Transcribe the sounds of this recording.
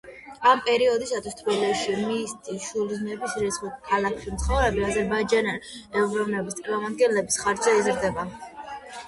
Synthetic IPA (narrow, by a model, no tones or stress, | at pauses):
ampʼɛɾiɔd̪isat̪ʰwist̪ʰɾɛlɛʃimist̪ʼiʃuliznɛbisɾit̪sʰχɔkʰalakʰχimt̪sʰχɔvɾɛbiazɛɾbaid͡ʒananɛvɾɔvnɛbist̪sʼɾmamad̪̚ɡɛnlɛbisχaɾd̪zɛizɾd̪ɛba